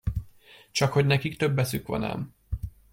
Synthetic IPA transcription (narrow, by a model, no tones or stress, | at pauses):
t͡ʃɒkho̞ɟnɛkikt̪ø̞bːɛsykʋɒ̰nɛ̰m